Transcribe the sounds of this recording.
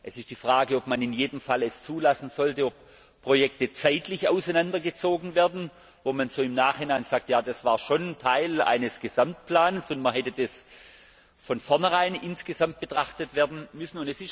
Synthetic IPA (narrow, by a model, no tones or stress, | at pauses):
ʔɛsɪst̚d̥iːfʁ̥aːɡəopmanɪnjeːdəmfalɛst͡suːlasn̩z̥ɔltəop | pʁ̥ojɛk̚tət͡saɪtlɪçaʊsaɪnandɐɡət͡soːɡn̩vɛːɐdn̩ | voːmanz̥oːɪmnaːχɪnaɪnz̥ak̚tjaːd̥asv̥aːɐʃoːnntʰaɪla̰ɪnəsɡ̥əzamtpʰl̥aːnsʊntmɐɦɛtədas | fɔnfɔɐnəʁaɪnɪnsɡ̥əzamt̚b̥ətʁ̥aχtətv̥ɛːɐdn̩mʏsn̩ʊntɛsɪs